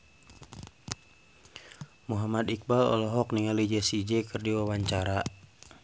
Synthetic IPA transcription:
muɦamad̪ik̚balɔ̰lɔɦɔk̚niŋalid͡ʒɛsid͡ʒɛkɨrdiwawaɲt͡ʃaɾa

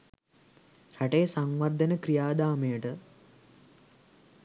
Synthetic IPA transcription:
raʈejəsaŋʋɐrd̪ʱənəkɾijaːd̪aːmejəʈə

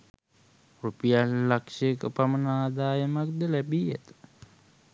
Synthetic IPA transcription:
rupijalːakʂekəpamənaːd̪aːjəmak̚d̪əlæbiːjæ̰t̪ə̥

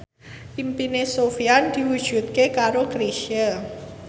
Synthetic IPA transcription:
pimpinesofiand̪̥i̤wud̥ʒ̥ṳt̪̚kekaɾokɾeʃia

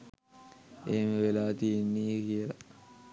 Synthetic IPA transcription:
ʔeməʋelaːt̪ienːiːkieɾɐ

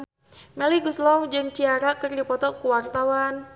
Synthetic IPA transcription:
mɛliɡuslɔwd͡ʒɨŋt͡ʃiaɾakɨrdipɔt̪ɔkuwart̪awan

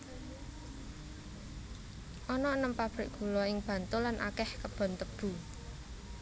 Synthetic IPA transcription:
ʔɔnɔnəmpab̥ɾɪʔɡ̥ṳlɔɪŋb̥ä̤nt̪ʊlanʔa̰kɛhkəb̥ɔ̤nt̪əb̥ṳ

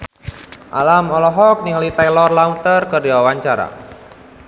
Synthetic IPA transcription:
ʔa̰lamɔlɔɦɔk̚niŋlit̪ajlɔrlaunt̪ərkərdiwawaɲt͡ʃaɾa̰

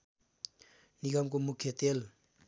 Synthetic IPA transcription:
niɡamkomukʰjet̪el

